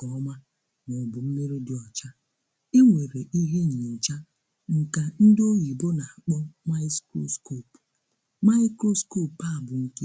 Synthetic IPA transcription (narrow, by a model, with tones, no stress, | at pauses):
kɔ˨˦ma˦ | nɔ˨bʊ˨m̩˦me˦ɾi˦dɪ˨ɔ˨t͡ʃa˦ | e˦ŋʷe˨ɾe˨ʔi˦ɦe˦ɲi˨e˨n̩˨t͡ʃa˦ | ŋ̩˨ka˨n̩˦do˦ɣi˨bo˦na˨a˨k͡pɔ˦ma˦skɾo̰˦sko˦˨p | ma˦ɪ˦kɾo˦sko˦˨pa˦˨bʊ˨ŋ̩˦ke˦